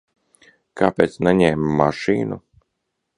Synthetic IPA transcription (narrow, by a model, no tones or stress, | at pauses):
kʰaːpʲeːt̪snɛɲɛːmːaʃiːnu